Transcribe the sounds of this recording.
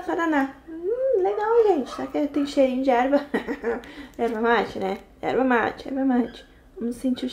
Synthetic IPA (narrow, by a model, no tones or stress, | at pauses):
paɾana | leɡawʒẽnt͡ʃɪ̥sakt̪ẽj̃ʊʃeɾĩɲʊd͡ʒɪɛɾbɐ | ɛɾbɐmat͡ʃɪnɛ | ɛ̰ɾbɐma̰t͡ʃɪɛ̰ɾbɐmat͡ʃɪ̥ | õmʊsẽnt͡ʃi